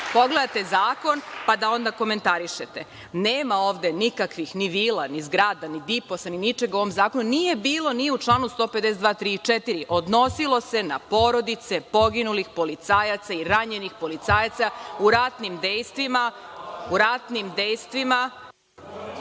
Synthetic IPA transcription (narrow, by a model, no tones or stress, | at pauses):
po̞ɡle̞d̪at̪e̞zaːko̞npad̪ao̞nd̪ako̞me̞nt̪aɾiʃet̪e | neːmao̞ːʋd̪e̞nikakʋixniʋiːlanizɡɾaːd̪anid̪ipo̞saninit͡ʃeɡuoʋomzaːko̞nunije̞biːlˠo̞niut͡ʃlˠaːnust̪o̞ːped̪esed̪ʋaːt̪ɾit͡ʃet̪iɾiʔo̞d̪no̞silˠo̞se̞napo̞ɾo̞d̪it̪se̞po̞ɡinulixpo̞lit̪saːjat̪saiɾaɲe̞nixpo̞lit̪saːjat̪sauɾat̪nimd̪ejst̪ʋimauɾat̪nimd̪e̞jst̪ʋima